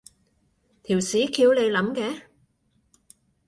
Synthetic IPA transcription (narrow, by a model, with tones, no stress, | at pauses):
t̪ʰiː˨˩wsiː˨˥kʰiː˧wne˨˧jlɐ˨˥mkɛː˨˧˥